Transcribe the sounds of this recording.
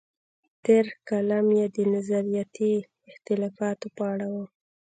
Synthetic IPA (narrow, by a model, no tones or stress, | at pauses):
t̪eɾkalamjed̪ənazaɾijat̪i | ɪxt̪ɪlɑfɑt̪opəaɽawu